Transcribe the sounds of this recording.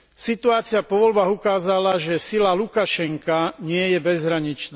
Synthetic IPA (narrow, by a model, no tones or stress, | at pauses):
sit̪uaːt͡sɪapɔʋɔlbaːɣukaːzalaʒɛsilalukaʃɛŋkaɲɪɛjɛbɛzɦɾaɲit͡ʃna